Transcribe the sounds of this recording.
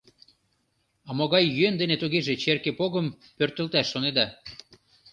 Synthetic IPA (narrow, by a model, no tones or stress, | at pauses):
ɑmoɣɑjːyend̪enet̪uɣeʒet͡ɕerkepoɣəm | pørt̪ə̆lt̪æʃːoned̪ɑ